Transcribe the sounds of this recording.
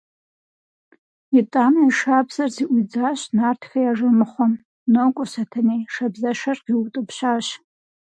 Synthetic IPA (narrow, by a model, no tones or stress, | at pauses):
itʼamaiʂabzɐrziʔʷud͡zaʃnartʰfejaʐɨmɨχʷɔm | nokʷʼʊsatʰanejʂabzaʃarqiwʊtʼɨpʃaʃ